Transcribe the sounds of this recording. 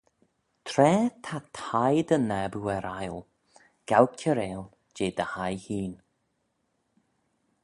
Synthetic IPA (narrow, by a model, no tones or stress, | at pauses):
t̪ʰɾɛːt̪ʰat̪ʰajd̪ənɛbuɛɾajlˠ | ɡ̥awkʲʰəɾeːl | d͡ʒeːd̪əhajhiːn